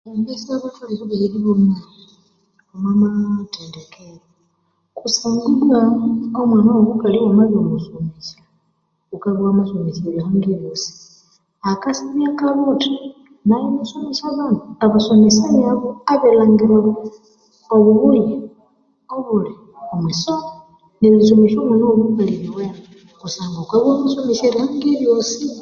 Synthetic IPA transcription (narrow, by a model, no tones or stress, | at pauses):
ambisiaβataliβuβeβiliβomai | omwamateːndekʰeɾo | kusaːŋɡulwaomwanaβukaliwamaβiomusomesa | kukaβwamasomesaiβihaŋɡiβjosi̥ | akasiβjakaluti | naiβisomisaβanduaβasomesaβjaβoaβelaːŋɡiɾaβo | oβuβuje | oβuli | omwiso | neβisomiʃomunoβukaliβiwe | kusaːŋɡakaβwaːmasomiseɾihaŋɡeβjosi